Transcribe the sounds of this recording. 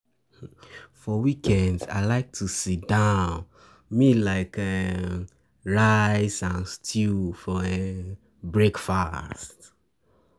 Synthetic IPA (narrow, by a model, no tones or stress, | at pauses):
fɔwikʰɛ̃ndza̰ɪlaɪk̚tʰusit̚d̥ãʊ̃n | milaɪkɛ | ɹaɪsãnstʰufɔe | bɹekfast